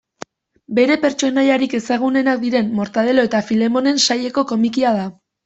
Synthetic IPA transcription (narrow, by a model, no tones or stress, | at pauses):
be̞ɾe̞pe̞ɾt͡ʃo̞naʎaɾike̞saɣ̞une̞nak̚d̪iɾe̞mːo̞ɾt̪aðe̞lo̞e̞t̪afile̞mo̞ne̞nsaje̞ko̞ko̞mikiað̞a